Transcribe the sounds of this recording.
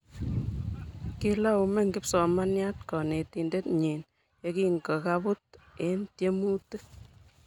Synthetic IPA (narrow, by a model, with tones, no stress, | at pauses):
ki˦la˦u˨me˦ŋɡi˦psɔ˨ma˦nja˦t̚kɔ˨ne˨ti˨nde˦tɲi˨n | jɔ˧ki˦ŋɡə˨ka˦pu˦t | e˦ntje˦mu˦tɨ˦